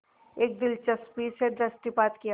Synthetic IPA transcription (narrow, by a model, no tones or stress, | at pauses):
eːk̚d̪ɪlt͡ʃɐspiseɖɾəsʈipaːt̪kija